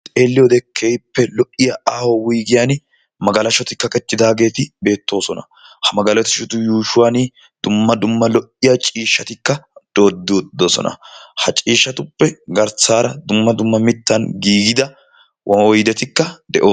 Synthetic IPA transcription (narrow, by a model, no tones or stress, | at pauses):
t̪ʼe̞ːlːɪjɔd̪ɛkʰːeːjpːɛlɔʔɪjaʔaːhowiːɡɪjan | mɐɡɐlɐʃɔt̪ɪkːɐkʼɛt͡ʃ̪ːɪd̪aːɡe̞ːt̪ɪbe̞ːt̪ːo̞ːsɔnɐ̰ | hɐmɐɡɐlɔt̪ɪʃʊt̪ʊjuːʃʊwaniː | d̪̥ʊmːɐd̪ʊmːɐlɔʔɪjat͡ʃʼiːʃːɐt̪ɪkːɐd̪̥o̞ːd̪ːod̪osɔ̰nɐ̰hɐt͡ʃʼiːʃːɐt̪ʊpːɛɡɐɾt͡saːɾɐd̪ʊmːɐd̪ʊmːɐmɪt̪ːɐnɡiːɡɪd̪ɐ | wʔɐwɔjd̪ɛt̪ɪkːɐd̪ɛʔoː